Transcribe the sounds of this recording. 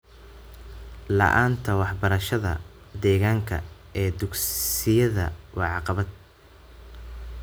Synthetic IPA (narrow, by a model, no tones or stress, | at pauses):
lɐ̰ʔaːnt̪ʰɐwɑħbɐɾɐʃɐðɐ̰ | d̪ɛːɣaːŋkʰɐ̰ | ɛːd̪ʊɡsɪjɐðɐ̰wɑʕɑqɑβɐd̪̚